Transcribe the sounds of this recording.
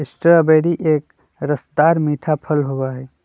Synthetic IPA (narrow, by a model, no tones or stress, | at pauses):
ɪsʈəəbeːɾiʔeːk | ɾəsd̪aːɾmiːʈʰapʰəlɦoːɡaɦɛː